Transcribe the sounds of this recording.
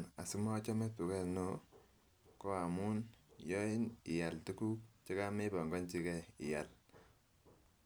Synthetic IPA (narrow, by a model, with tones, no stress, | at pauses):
na̰˨su˦ma˦t͡ʃɔ˦mɛ˦tu˨kɛ˦no˦ | kɔ˦a˨mu˦njɔ˦i˦nɪ̰˨ja˨ltu˦ku˦kt͡ʃe˦ka˦me˦pɔ˨ŋɡɔ˦nt͡ʃi˦kɛ˦ɪ̰˨ja˨l